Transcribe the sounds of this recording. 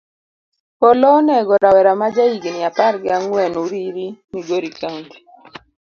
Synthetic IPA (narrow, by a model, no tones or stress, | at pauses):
pɔlɔnɛɡɔɾawɛɾamad͡ʒaiɡnɪapaɾɡɪaŋwɛnuɾiɾiniɡoɾikaŋdi